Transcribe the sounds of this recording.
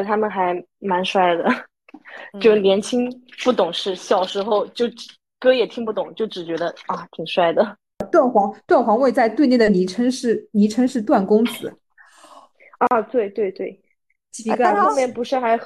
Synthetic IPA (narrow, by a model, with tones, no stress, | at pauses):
t̪ʰa˥mə˨nxa˧˥ɪ | ma˧˥nʂwa˥˩ɪd̪ə˩ | t͡ɕo˥˧ʊ˩njɛ˧˥nt͡ɕʰi˥ŋpu˥˩t̪ʊ˨˩ŋʂɻ̩˥˩ɕjɑ˨˩ʊʂɻ̩˧˥xo˥˧ʊt͡ɕjo˥˩ʊʈ͡ʂ̩˨˩ | kɤ˥jɛ˨˩t̪ʰi˥˧ŋpu˥˩t̪ʊ˨˩˦ŋt͡ɕjo˥˩ʊʈ͡ʂɻ̩˨˩t͡ɕɥɛ˧˥d̪ə˧a˥˩t̪ʰi˨˩ŋʂwa˥˩ɪd̪ə˩ | t̪wa˥˩nxwɑ˧˥ŋt̪wa˥˩nxwɑ˧˥ŋwe˥˧ɪt͡sa˥˧ɪt̪we˥˧ɪne˥˩d̪ə˩ni˧˥ʈ͡ʂʰə˥ŋʂɻ̩˥˧ni˧˥ʈ͡ʂʰɤ˥ŋʂɻ̩˥˧t̪̬wa˥˩nkʊ˥ŋt͡sɹ̩̰˨˧˦ | ɔ˥˧t̪we˥˧ɪt̪we˥˧ɪt̪we˥˩ɪ | t͡ɕɡo˥˧mjɛ˥˩npu˧˥ʂa˥˧xa˧˥